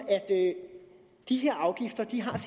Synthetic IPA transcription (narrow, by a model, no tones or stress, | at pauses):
ʔæd̥ | d̥iheɐ̰ʔɑ̈ʊɡ̥ifd̥ɐd̥iɦɑ̈s